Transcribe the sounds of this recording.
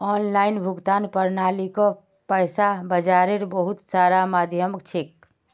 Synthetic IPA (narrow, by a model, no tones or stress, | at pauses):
ɔːnlaɪnbʱʊɡt̪aːnpəɾnalikɔ | pəɪsabəd͡ʒaɾeɾbəɦut̪saɾamad̪ʱjəməkt͡ʃʰek̚